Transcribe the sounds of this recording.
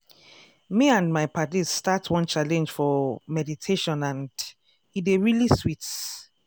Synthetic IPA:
miãndmaɪpʰatizstatwɔ̃nt͡ʃalɛ̃nd͡ʒ̥fɔmɛditʰeʃɔ̃nãnd | ideɹiliswit

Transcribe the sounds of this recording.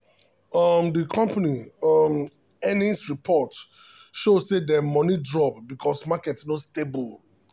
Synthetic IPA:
ɔmdikʰɔ̃mpaniɔm | ɛnĩnsɹipʰɔt | ʃossedɛmɔnidɹɔpbikʰɔsmakɛtsnostebul

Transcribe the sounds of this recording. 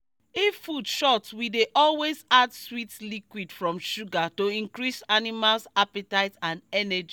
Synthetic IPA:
ifudʃɔtwideʔɔlwezadswitlikwidfɹɔ̃mʃuɡatoĩŋkɹisanimalsapitaɪtãnɛnɛd͡ʒi

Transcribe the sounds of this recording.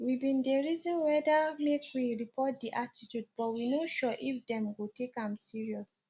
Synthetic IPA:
wibĩndeɹizɔ̃nwɛdamekwiɹipʰɔt̚diʔatitjud̚bɔtwinoʃɔʔifdɛ̃mɡotekãmsiɹiɔs

